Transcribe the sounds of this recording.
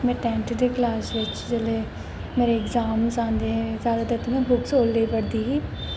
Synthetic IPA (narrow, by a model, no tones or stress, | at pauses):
mɛ̃ːʈɛ̃ːɳʈd̪eːklaːsʋɪt͡ʃd͡ʒeleː | meːɾeɪɡzaːmsãːnd̪eːɦɛ̃zjaːd̪aːd̪ət̪ːmɛ̃ːbʊksoːlːeipəɽd̪iːɦiː